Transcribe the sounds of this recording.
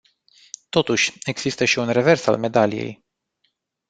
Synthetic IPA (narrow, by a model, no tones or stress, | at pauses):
t̪o̞t̪uʃʲe̞ɡz̥ist̪əʃiunre̞ve̞rsa̰lme̞d̪alije̞̰j